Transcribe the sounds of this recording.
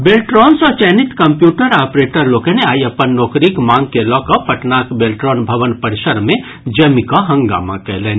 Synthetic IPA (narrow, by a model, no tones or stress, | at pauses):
beːlʈɾɔːnsɔt͡ʃɛːnɪt̪kəmpjuːʈəɾaːpɾeːʈəɾloːkeneaːiɐpənːɔːkɾikmãːŋɡ̚kelɔːkɔpːəʈnaːkbeːlʈɾɔːnbʱɐʋənpəɾʃəɾmẽ | d͡ʒɐmikɔɦɐ̃ŋɡa̰ːma̰kɛɦleːn